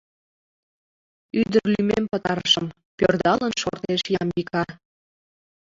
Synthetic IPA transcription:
yd̪ərlymempət̪ɑɾəʃəm | pørd̪ɑlənʃort̪eʃjɑmikɑ

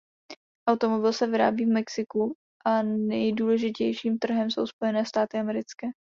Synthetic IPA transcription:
ʔawt̪o̞mo̞bɪlsɛvɪɾa̰ːbiːvmɛksɪku | ʔanɛjduːlɛʒɪcɛjʃiːmt̪r̩ɦɛmso̞wspo̞jɛnɛːst̪aːt̪ɪamɛɾɪt͡skɛː

